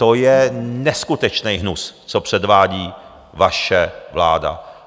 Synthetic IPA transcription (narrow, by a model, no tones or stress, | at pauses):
t̪o̞jɛnɛskut̪ɛt͡ʃnɛjɦnust͡sopr̝̥ɛdvaːɟiː | vaʃɛvla̰ːda̰